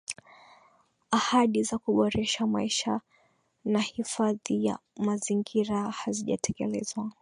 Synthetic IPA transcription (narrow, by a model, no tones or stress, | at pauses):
ahaɗizakuɓɔɾɛʃamaiʃa | nahifaðija̰maziŋɡiɾahaziʄa̰tʰɛkɛlɛzwa